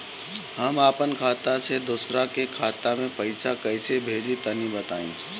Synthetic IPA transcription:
hɐmaːpənkʰaːt̪ased̪ʊsɾakekʰaːt̪amẽpɐɪsakɐɪsebʱeːlit̪ɐnibɐt̪aːḛ̃ː

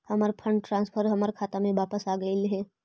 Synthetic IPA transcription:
hɐməɾpʰə̃ɳɖ̚ʈɾãːnspʰəɾɦɐmaɾkʰaːt̪amẽʋaːpəsaːɡəilɦɛː

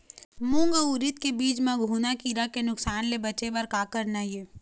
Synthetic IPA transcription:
mʊ̃ŋɡuɾɪt̪kebiːt͡ʃmẽɡʱuːnakiːɾakenʊksaːnlebɐt͡ʃebɐɾkaːkəɾnajeː

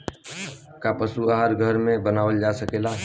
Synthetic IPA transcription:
kapəsuaɦaɾɡʱəɾmẽbənaːʋəld͡ʒasəkeːla

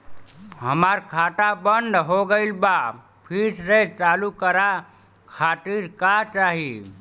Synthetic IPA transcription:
ɦəmaɾkʰaʈabənd̪ɦoɡəɪlba | pʰiɾsɾet͡ʃalukəɾa | kʰaʈ̪iɾkat͡ʃaɦi

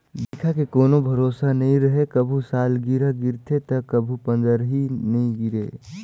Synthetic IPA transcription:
d̪ɪkʰakekoːnobʱɐɾoːsanɐɦĩɾɐɦekɐbʱusaːlɡiɾaɡɪɾt̪ʰet̪ɐkɐbʱupə̃nd̪əɾɦinɐɦĩɡɪɾḛː

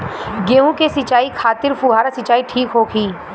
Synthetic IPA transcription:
ɡeːũkesɪt͡ʃaːikʰaːt̪ɪɾpuɦaːɾasɪt͡ʃaːiʈʰiːkɦoːkʰiː

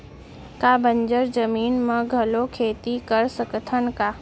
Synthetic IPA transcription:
kaːbə̃ɲd͡ʒəɾzɐmiːnmə̃ɡʱɐlokʰeːt̪ikɐɾsɐkt̪ʰən̆kaː

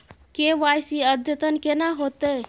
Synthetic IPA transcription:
keʋajsiəd̪ʱjət̪ənkenaɦot̪e

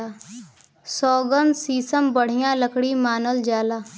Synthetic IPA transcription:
a | sɔːɡənsiːsəmbəɽ̤ɪjãləkɽimaːnəld͡ʒaːlaː

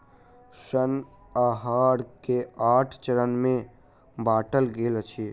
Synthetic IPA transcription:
ʃən | aːɦaːɽkeaːʈʰt͡ʃəɾənmẽ | baːʈəlɡeːlət͡ʃʰeː

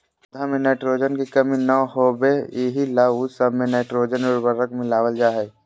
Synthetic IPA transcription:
d̪ʱamenɛɪʈɾod͡ʒənkekəminəɦobeeɦilaːusəbʱmenɛɪʈɾoːd͡ʒənʊɾbəɾəkmɪlaːwəld͡ʒaːɦɛ

